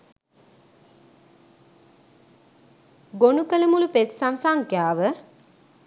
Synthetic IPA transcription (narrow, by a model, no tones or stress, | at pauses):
ɡonukələmulupet̪samsaŋkjaːʋə